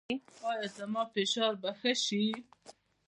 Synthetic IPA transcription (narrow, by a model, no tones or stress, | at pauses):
ɑːjɑzamɑːfeʃɑːɾbəxəʃi